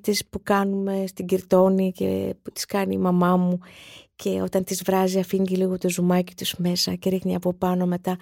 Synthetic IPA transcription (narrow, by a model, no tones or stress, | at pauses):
t̪ispukɐnume̞st̪iɟiɾt̪o̞nice̞̰put̪i̥skɐniːmɐmɐmucʰe̞o̞̰t̪ɐnt̪izvɾɐziɐfiɲɟiliɣo̞t̪o̞zumɐci̥t̪uz̥me̞sɐce̞ɾixniɐpo̞pɐno̞me̞t̪ɐ